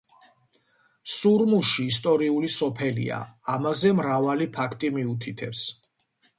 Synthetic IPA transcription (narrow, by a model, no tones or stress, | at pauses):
suɾmuʃiːst̪ʼɔɾiulisɔpʰɛlḭa̰amazɛmɾavalipʰakʰt̪ʼimiut̪ʰit̪ʰɛps